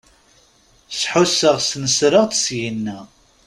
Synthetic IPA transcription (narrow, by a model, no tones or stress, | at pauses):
sħʊsːəʁsnəsɾəʁt̪ə̥sjinːæ